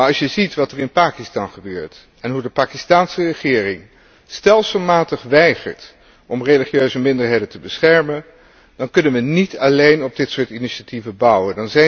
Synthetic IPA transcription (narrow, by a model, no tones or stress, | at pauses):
aɹɑlsjəzitʋɑtərɪnpaːkistɑnχəbøːɹt | ɛnɦudəpaːkistaːnsərəχɪːrɪŋ | stɛlˠsəlˠmaːtəχʋɛjχə̰ɹt | ʔɔmreliχjøɥzəmɪndəɹɦejdəntəbəsχɛɹmən | d̥ɑnkɵnənʋənitɑlejnɔb̚dɪtsʊːɹtiniʃativəbʌwəndɑnzɛ